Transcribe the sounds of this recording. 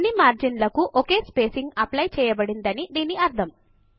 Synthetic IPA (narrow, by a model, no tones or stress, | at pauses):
nːimaːɾd͡ʒinlɐkuʔoke̞ːspeːsiŋɡɐplɐjt͡ʃɛːjɐbɐɽind̪ɐnid̪iːniɐɾt̪ʰɐm